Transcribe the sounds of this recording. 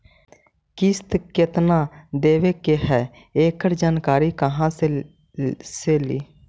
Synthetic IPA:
kist̪ket̪nad̪eːʋekeɦɛ | eːkəɾd͡ʒaːnkaːɾikəɦãse | seliː

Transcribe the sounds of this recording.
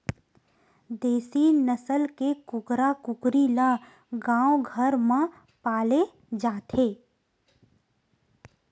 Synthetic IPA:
d̪eːsinəsəlkekʊkɾakʊkɾila | ɡãːwoɡʱəɾmã | paːle | d͡ʒaːt̪ʰeː

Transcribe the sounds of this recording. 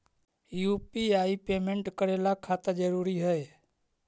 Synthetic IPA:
juːpiaːipeːmẽɳʈkəɾeːlakʰaːt̪əd͡ʒəɾuːɾiɦəe

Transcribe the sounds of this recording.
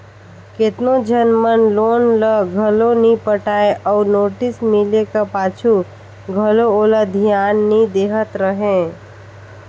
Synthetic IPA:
ket̪nõd͡ʒənmənloːnləɡʱəlõnĩpəʈaːeʔɔːɾnoːʈɪsmɪlekapaːt͡ʃʰu | ɡʱəlooːlad̪ʱijaːnːəĩd̪eːɦət̪ɾəɦẽː

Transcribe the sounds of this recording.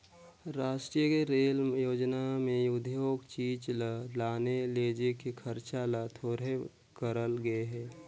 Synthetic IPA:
ɾaːʃʈɾijəkeɾeːljoːd͡ʒnamẽjʊd̪ʱjoːɡt͡ʃiːt͡ʃlalaːneleːd͡ʒekikʰəɾt͡ʃalat̪ʰoːɾe | kəɾəlɡəeɦɛː

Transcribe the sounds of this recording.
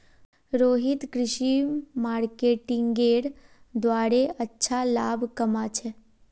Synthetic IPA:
ɾoːɦit̪kɾɪʃimaɾkeʈɪŋɡeɽ | d̪ʋaːɾeətːʃʰalabʱkəmat͡ʃʰe

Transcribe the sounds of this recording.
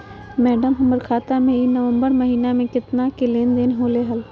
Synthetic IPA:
mɛːɖəmɦɐməɾkʰaːt̪amẽinəʋə̃mbəɾməɦiːnamẽkɪt̪nakeleːnd̪eːnɦoːleɦəl

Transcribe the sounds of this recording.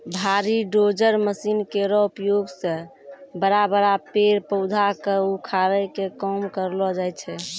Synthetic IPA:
bʱaɾiɖod͡ʒəɾməsinkeɾɔupjoɡsə̃bəɾabəɾapeɾpəʊd̪ʱakeukʰaɾəkekɔmkəɾlɔd͡ʒajt͡ʃʰɛ

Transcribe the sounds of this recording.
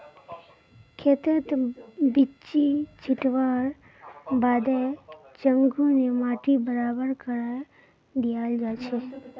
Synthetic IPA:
kʰet̪ət̪bit͡ʃid͡ʒʰʱɪʈʋaɾ | bad̪e | t͡ʃəŋɡunemaʈibəɾabəɾkəɾaj | d̪ijald͡ʒat͡ʃʰe

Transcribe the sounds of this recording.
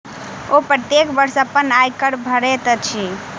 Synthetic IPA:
opɾət̪jekbəɾsəpːənajkəɽbʱəɾet̪t͡ʃʰi

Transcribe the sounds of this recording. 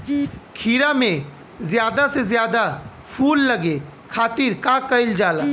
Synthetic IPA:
kʰiːɾamẽ | zjaːd̪asezjaːd̪a | pʰuːlːɐɡekʰaːt̪iːɾkaːkəɪld͡ʒaːlaː

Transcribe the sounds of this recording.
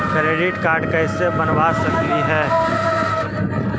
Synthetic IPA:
kɾeːɖɪʈkaːɾɖkaɪsebɐnʋaːsɐk̚t̪iɦɛː

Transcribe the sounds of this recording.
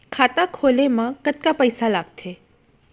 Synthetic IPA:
kʰaːt̪akʰolemãkət̪kapəjsalaːɡ̚t̪ʰe

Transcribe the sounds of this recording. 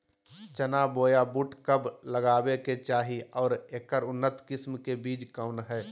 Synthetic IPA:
t͡ʃənaːboːjabuːʈkəbləɡaːbeket͡ʃaːɦiɔːɾeːkːəɾʊnːət̪kɪsmkebiːd͡ʒkaʊnɦɛː

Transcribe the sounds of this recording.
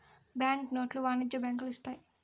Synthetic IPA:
bjaːŋknoːʈluʋaːnid͡ʒɐbjaːŋkluist̪aːji

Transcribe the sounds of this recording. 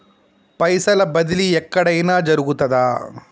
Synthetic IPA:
pɐjsɐlɐbɐd̪iliɛkːɐɽɐjnɐːd͡ʒɐɾuɡut̪ːɐd̪aː

